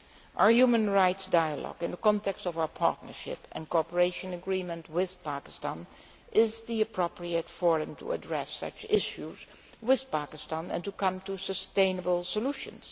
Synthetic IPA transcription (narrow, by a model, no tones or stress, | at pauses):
ʔaə˞jumə̃nɹaɪtsdaɪəlɔ̰ɡɪ̃nðəkɔ̃ntɛkstɔvaʊə˞pʰɑ̰ɹtⁿnə̰˞ʃɪ̰pɨ̰̃nkɔpəɹeɪʃə̃nəɡɹimə̃ntwɪð̥pakɪ̥stãn | ʔɪzðiɨpʰɹopʰɹiətfɔɹɨ̃mtʰṵə̰dɹɛsʌ̰t͡ʃɪʃuz | wɪð̥pakɪstɑ̃nɨ̰̃ntukʌ̃mtusəstẽɪ̃nəbəl̩ˠsəluʃə̰̃ns